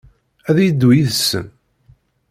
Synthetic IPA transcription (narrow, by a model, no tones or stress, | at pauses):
æðjəd̪ːwijiðsə̰n